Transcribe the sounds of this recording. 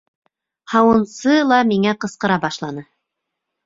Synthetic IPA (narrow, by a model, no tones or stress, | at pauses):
hɑwɤ̆nsɤlˠɑmiŋæqɤ̆sqɤ̆ɾɑbɑʃlˠɑnɤ